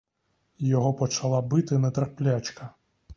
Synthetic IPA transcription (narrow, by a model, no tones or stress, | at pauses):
jɔɦɔpɔt͡ʃɐlˠabɪt̪ɪnɐt̪ɾɐplʲat͡ʃkɐ